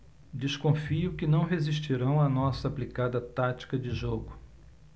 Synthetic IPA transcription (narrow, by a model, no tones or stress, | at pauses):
d͡ʒɪskõfiʊkɪnɐ̃w̃ɦeziʃt͡ʃiɾɐ̃w̃ɐnɔsɐːplikad̪ɐt̪at͡ʃi̥kɐd͡ʒɪʒoɡʊ